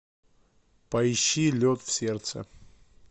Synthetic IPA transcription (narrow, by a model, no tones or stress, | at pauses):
pɐɪɕːilʲot̪fsʲert̪sə̰